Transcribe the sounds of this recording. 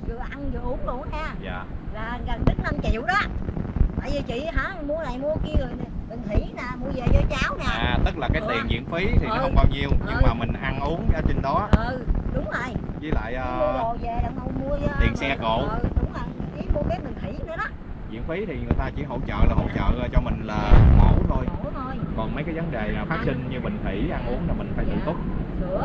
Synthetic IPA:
zɨ̰˨˩əʔa˧nzɨ̰˨˩ʔu˨˦əŋɗo˧˨˩aː˧za̰ː˧˨laː˨˩ɣə˨˩nɗɨ˦˥k̚na˧mt͡ɕḭ˧˨wɗɔ˨˦t̪a̰ː˧˨jzɨ˨˩t͡ɕḭ˧˨ɦaː˧˨˥mu˧əlaː˨˩jmu˧əki˧əŋɨ˨˩əjn˨˩mï˨˩ŋ̟t̪ʰi˧˩˦naː˨˩mu˧əze˨˩zɔ˧t͡ɕaː˨˦wnaː˨˩˨t̪ɨ˦˥k̚laː˨˩kaː˨˦t̪i˨˩ə˨nzḭ˧˨ənfi˨˦t̪ʰi˨˩nɔ˦hwŋ͡mɓaː˧wɲi˧əwɲɨ˧ŋmaː˨˩mï˨˩ŋ̟ʔa˧nʔu˨˦əŋaː˧˨˩t͡ɕi˧nɗɔ˨˦ʔə˨˧˩ɗʊ˨˦wŋ͡mzə˨˩jzḭ˨˦la̰ː˧˨jʔəː˨˧o˧˨zɛ˧˨ɗa˨˩ʔə˧wmu˧ət̪i˨˩ənsɛ˧ko̰˧˨˧ɗʊ˨˦ŋ͡mə˨˩ji˨˦mo˧kaː˨˦˥mi˨˩ŋt̪ʰwi˧˩˦nɨ˧˦ɗɔ˨˦ | zḭ˧˨ənfi˨˦t̪ʰi˨˩ŋɨ˨˩əjt̪aː˧t͡ɕi˧˩ɦo̰˧˨t͡ɕə̰ː˧˨laː˨˩ɦo̰˧˨wt͡ɕə̰ː˧˨t͡ɕɔ˧mï˨˩ŋ̟laː˨˩mə˨˦wt̪ʰo˧jjkɔ˨˩nmə˨˦jkaː˨˦jvə˨˦nɗe˨˩aː˨˩faː˦˥t̚sï˧ŋ̟ɲɨ˧ɓï˨˩ŋ̟t̪ʰi˧˩˦ʔa˧nʔu˨˦əŋlaː˨˩mï˨˩ŋ̟faː˧˦jt̪ɨ̰˧˨t̪o˦˥t̚

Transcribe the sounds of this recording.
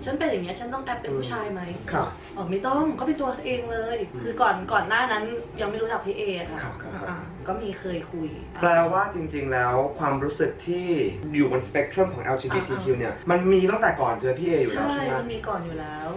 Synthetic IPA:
t͡ɕʰa˦˥npe˧nja˨˩ni˦˥ɐ˩t͡ɕʰa˦˥nt̪ɔ˥˩ŋʔɛ˦˥pːe˧npʰuː˥˩t͡ɕʰaː˧jma˦˥jkʰa˧˥ | ʔɔː˨˩ma˥˩jt̪ɔ˥˩ŋkɔː˥˩pe˧nt̪u˧ɐa˥ʔeː˧ŋlɤː˧jkʰɯː˧kɔː˨˩nkɔː˨˩nːaː˥˩na˦˥nja˧ŋma˥˩jɾu˦˥a˨˩p̚t̪ʰiː˥˩ʔeː˧a˨˩kʰa˦˥kʰa˦˥˦ʔaː˨˩ | kɔː˥˩miː˧kʰɤː˧jkʰu˧j | plɛː˧waː˥˩t͡ɕi˧ŋt͡ɕi˧ŋlɛː˦˥wkʰwaː˧mɾuː˦˥sɯ˨˩k̚t̪ʰiː˥˩juː˨˩bo˧nspe˦˥k̚t̪ʰɾɔ˥˩mkʰɔː˩˦ŋʔɛ̰ː˧wt͡ɕʰi˧niː˥˩t̪ʰiː˧kʰi˧wni˥˩ɐma˧nmiː˧t̪a˥˩ŋt̪ɛ˨˩kɔː˨˩nt͡ɕʰɯː˧˩pʰiː˥˩ʔeː˧˩juː˨˩˨t͡ɕʰlaː˦˥˩jma˧nmiː˧kɔː˨˩njuː˨˩lɛː˦˥w

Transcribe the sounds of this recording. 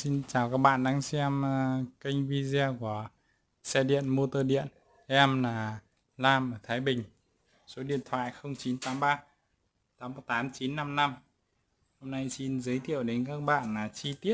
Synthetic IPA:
si˧nt͡ɕaː˨˩wkaː˦˥k̚ɓa̰ː˧˨nɗaː˧ŋsɛ˧m˧kï˧jŋ̟vi˧zɛ˧ku˧˩ə | sɛ˧ɗḭ˧˨ənmo˧t̪oː˧ɗḭ˧˨ən | ɛ˧mlaː˨˩ | laː˧mʔəː˧˩t̪ʰaː˨˦jɓï˨˩ŋ̟ | so˨˦ɗḭ˧˨ənt̪ʰwa̰ː˧˨jxə˧wŋ͡mt͡ɕi˨˦nt̪aː˨˦mɓaː˧ | t̪aː˨˦m̚˧˨˩t̪aː˨˦mt͡ɕi˨˦nːa˧mna˧m | ho˧mna˧jsi˧nzɨː˨˦jt̪ʰḭ˧˨əwɗe˨˦nkaː˦˥k̚ɓa̰ː˧˨nlaː˨˩t͡ɕi˧t̪i˦˥ət̚

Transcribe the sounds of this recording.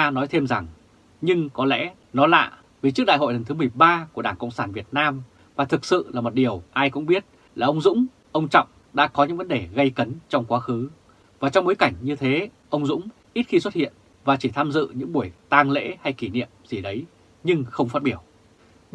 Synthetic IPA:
aː˧nɔ˨˦jt̪ʰe˧mza˨˩ŋ | ɲɨ˧ŋkɔ˨˦lɛ̰˧˥ | nɔ˨˦la̰ː˧˨ | vi˨˩t͡ɕɨ˦˥k̚ɗa̰ː˧˨ɦo̰˧˨lə˨˩nt̪ɨ˨˦mɨ˨˩əjɓaː˧ku˧˩əɗaː˧˩ŋkə̰˧˨wŋ͡msaː˧˩nvi˨˩ət̚naː˧m | vaː˨˩t̪ʰɨ˨˩k̚sɨ̰˧˨laː˨˩mo˨˩t̚ɗi˨˩əwʔaː˧jkʊ̰˧˥ŋ͡mɓi˦˥ət̚ | laː˨˩ʔə˧wŋ͡mzʊ̰˧˥ŋ͡m | ʔə˧wŋ͡mt͡ɕɔ̰˧˨wŋ͡m | ɗa̰ː˧˥kɔ˨˦ɲɨ̰˧˥ŋvə˨˦nɗe˨˩ɣə˧jkə˨˦nt͡ɕɔ˧wŋ͡mkwaː˨˦xɨ˨˦ | vaː˨˩t͡ɕɔ˧wŋ͡mɓo˨˦jka˧˩jŋ̟ɲɨ˧t̪ʰe˨˦ | ʔə˧wŋ͡mzʊ̰˧˥ŋ͡m | ʔi˦˥t̚xi˧swə˦˥t̚hḭ˧˨ən | vaː˨˩t͡ɕi˧˩t̪ʰaː˧mzɨ̰˧˨ɲɨ̰˧˥ŋɓu˧˩əjt̪aː˧ŋlḛ˧˥ha˧jki˧˩nḭ˧˨əmzi˨˩ɗə˨˦j | ɲɨ˧ŋxə˧wŋ͡mfa˦˥t̚ɓi˧˩əw

